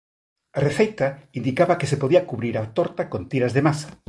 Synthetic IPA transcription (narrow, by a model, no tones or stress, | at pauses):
areθejt̪aind̪ikaβakesepoðiakuβɾiɾat̪oɾt̪akont̪iɾazðemasḁ